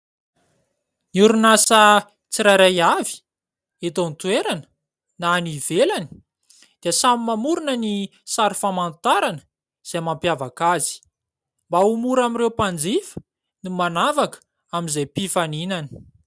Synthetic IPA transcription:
niuɾunasə | t͡siɾajɾajavi̥ | et̪ont̪weɾanə̥ | naːnivelani̥ | d̪̥iəsamimamuɾunənisaɾifamant̪aɾanə̥ | z̥emampjavakazi̥ | mbaumuɾamiɾewpand͡zifə̥ | nimanavakə̥ | amizajpifaninanə̥

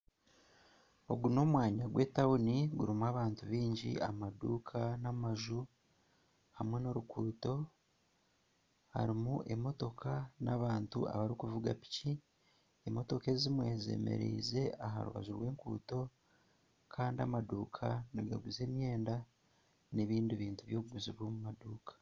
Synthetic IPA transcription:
o̞ɡuno̞mwaːɲaɡwe̞ːtauniɡuɾimuaβaːntuβiːɲɟḭʔamadṵːkʰanamaʒu | hamwe̞no̞ɾukʰuːto̞ | ha̰ɾimuʔe̞mo̞to̞kʰanaβaːntṵa̰βaɾikuvuɡa̰pi̥ci | emo̞to̞ke̞zimwe̞ze̞̰mḛɾḭːze̞aɦa̰ɾuβa̰zuɾwe̞ːŋkṵːto̞ | kʰaːndiamaduːkʰanaɾɡa̰ɡuze̞ːmje̞ːnda | neβiːndiβiːntuβjo̞ːβuɡuziβwomumaduːkḁ

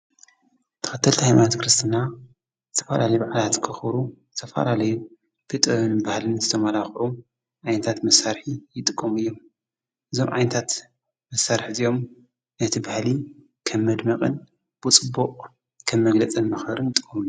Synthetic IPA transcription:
t̪ʰɨ̥xɨt̪ʰːɐlt̪ʰihajmant̪kɾɨst̪ʰɨna | zɨt̪ʰɐfɐlalɐjubaʕalat̪kʰɨxɾuzɨt̪ʰɐfa̰lalɐju | bʰet̪ʼɐɨnbahlɨnzɨt̪ʰɐmalaxʕu | ʕajnɐt̪ʰat̪mɐsaɾħijɪt̪ʼɨkʼːɐmɨjːo̞m | ʔɨzo̞mʕa̰jnɐt̪ʰat̪ | mɐsaɾħizijo̞m | nɐt̪ʰibahli | kʰɐmːɐd̪mɐqʼɨn | b̥ɨt͡sʼɨbːuqʼ | kʰɐmːɐɡlɐt͡sʼɨnmɐxhɐɾɨnt̪ʼɨ̥kʼːɐmuju

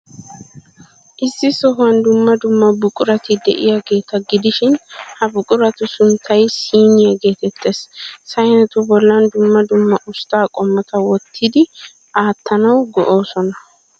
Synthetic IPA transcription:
ʔɪsːɪsɔɦʊɐnd̪ʊmːɐd̪ʊmːɐbʊkʼʊɾɐt̪ɪd̪ɛ̰ʔɪjɐɡe̞ːt̪ɐɡɪd̪ɪʃɪnhɐbʊkʼʊɾɐt̪ʊsʊnt̪ʰːɐjsiːnɪjɐɡe̞ːt̪ɛt̪ʰːe̞ːssɐjnɛt̪ʊbɔlːɐnd̪ʊmːɐd̪ʊmːɐʔʊst̪aːkʼɔmːɐt̪ɐwɔt̪ːɪd̪ɪ | ʔaːt̪ːɐnɐwɡɔʔo̞ːsɔnɐ

